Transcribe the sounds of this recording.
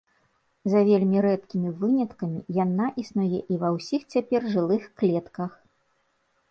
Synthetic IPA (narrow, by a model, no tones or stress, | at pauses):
zɐvʲelʲmʲiɾɛt̪kʲimʲivɨnʲɐt̪kɐmʲijanaʔisnujɛʔivɐwsʲixt͡sʲapʲɛrʐɨlˠɨxklʲɛt̪kɐx